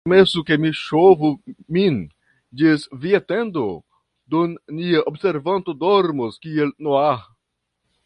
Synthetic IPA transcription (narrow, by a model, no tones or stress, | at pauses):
mesukemiʃovumin | d͡ʒisviat̪end̪o | d̪onːiaʔobseɾvant̪odoɾmoskielnoa